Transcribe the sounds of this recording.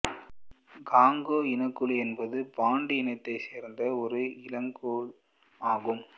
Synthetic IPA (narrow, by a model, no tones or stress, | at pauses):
ɡaːŋɡoːɪnɐkːɯɭɛnbɐðɯpaːɳɖɯɪnɐɪt̪ːɐɪseːɾnd̪ɐɔɾɯɪlɐŋɡoːɭ | aːɣɯm